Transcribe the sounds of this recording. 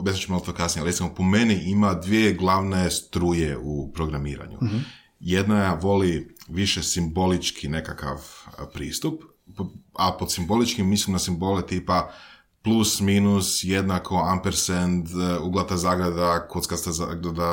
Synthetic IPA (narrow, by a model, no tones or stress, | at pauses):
bjesimt͡ʃuimalot̪okasnijealɾet̪imopome̞niʔimad̪ʋieɡlˠaʋne̞st̪ɾuːjeupɾo̞ɡɾamiːɾa̰ɲṵ | jed̪najaʋo̞liʋiʃesimbo̞lit͡ʃkʰine̞kaka̰ʋpɾiːst̪up | apod̪simbo̞lit͡ʃkimːislimnasimbolet̪iːpa | plˠusmiːnusjed̪nakʰo̞ampeɾsend̪uɡlˠat̪azaːɡɾed̪akot̪skast̪azaɡɾed̪a